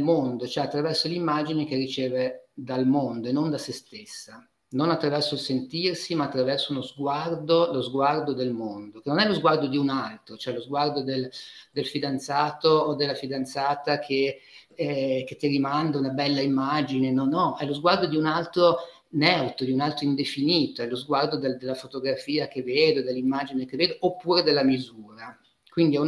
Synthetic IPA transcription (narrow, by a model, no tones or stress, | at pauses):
lmond̪ot͡ʃoɛat̪ːɾavɛrsolimːad͡ʒinekerit͡ʃeːved̪almond̪oenond̪asest̪esːa | nonat̪ːɾavɛrsoilsent̪irsimaːt̪ːɾavɛrsounozɡward̪olozɡward̪od̪elmond̪okenonɛlozɡward̪od̪iunalt̪ɾot͡ʃoɛlozɡward̪od̪eld̪elfid̪ant̪saːt̪oːd̪elːafid̪ant̪saːt̪akʰe | k̟et̪ːiɾimand̪aunabɛlːaimːad͡ʒinenɔnɔʔɛlozɡward̪od̪iunalt̪ɾo | nɛwt̪od̪iunalt̪ɾoind̪efiniːt̪oɛlozɡward̪od̪eld̪elːafot̪oɡɾafiːakevːeːd̪od̪elːimːad͡ʒinekevːeːd̪oʔːpːuːɾed̪elːamizuːɾa | kwind̪iɛu